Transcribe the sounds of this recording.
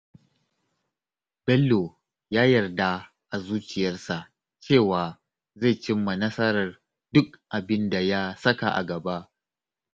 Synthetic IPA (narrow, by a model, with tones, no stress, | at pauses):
b̥ɛ˦lːo˨ | jaː˦jɐ˨rda˦ | ʔa˨zuː˦t͡ʃɪ˨jɐ˦rsa˨ʔ | t͡ʃeː˦˨waː˨ | ze˦˨t͡ʃɪ˦mːa˨nɐ˦sɐ˦ɾɐ˨r | dʊ˦kʔa˨bɪ˦nda˨ja˦sɐ˦ka˨ʔa̰˨ɡɐ˨ba˦ʔ